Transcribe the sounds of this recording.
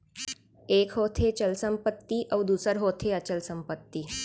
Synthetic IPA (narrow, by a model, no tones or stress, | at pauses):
ekɦot̪ʰet͡ɕəlsəmpət̪ːiʔɐʋd̪uːsəɾɦot̪ʰeət͡ɕəlsəmpət̪ːiː